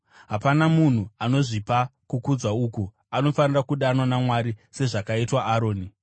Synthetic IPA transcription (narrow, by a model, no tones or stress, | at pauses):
ɦapanamun̤uano̞ʐipakukud͡zwauːku | ano̞fanirakuɗanwanamwaɾise̞ʐakaitwaʔːɾo̞ːni